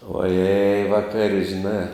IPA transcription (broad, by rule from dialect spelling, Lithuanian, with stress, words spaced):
oːˈjɛɪ ʋɐˈkɐrʲ ʒʲɪˈnɑː